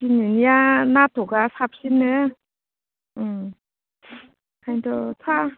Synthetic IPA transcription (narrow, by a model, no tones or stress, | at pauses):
tinɯnijanat̪oɡasap̚sinːɯ | ɯ | kʰajndɔtʰa